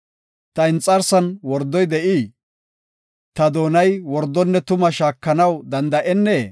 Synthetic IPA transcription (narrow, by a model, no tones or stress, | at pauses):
t̪ɐɪnt͡sʼɐɾsɐnwɔɾd̪ɔjd̪ɛʔiː | t̪ɐd̪o̞ːnɐjwɔɾd̪ːɔnːɛt̪ʊmɐʃaːkːɐnɐwd̪ɐnd̪ɐʔɛnːeː